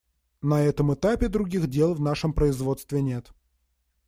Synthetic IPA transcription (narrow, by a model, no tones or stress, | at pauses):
nɐɛt̪əmɨt̪apʲɪd̪ɾʊɡʲixdʲe̞lˠvnaʂəmpɾəɪzvo̞t̪st̪vʲɪnʲe̞t̪